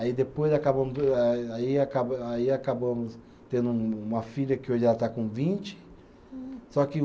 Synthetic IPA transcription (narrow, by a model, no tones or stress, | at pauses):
aid̪epojzakabɐ̃mʊsaiakabaiakabɐ̃mʊs | t̪ẽnd̪ʊuũmɐfiʎɐkɪoʒlat̪akõvĩnt͡ʃɪ̥ | sɔkɪ